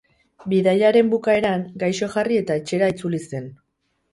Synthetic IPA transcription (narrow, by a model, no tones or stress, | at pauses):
biðajaɾe̞mbukae̞ɾaŋɡajʃo̞ʝarie̞t̪ae̞t͡ʃe̞ɾait͡sulise̞n